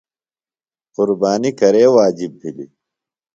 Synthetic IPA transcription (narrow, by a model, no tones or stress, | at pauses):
qʊɾbaːnikɐɾeːwaːd͡ʑibːilḭ